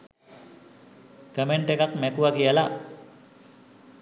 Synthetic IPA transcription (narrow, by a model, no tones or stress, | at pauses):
kəmeɳʈekakmɛkuʋakijəla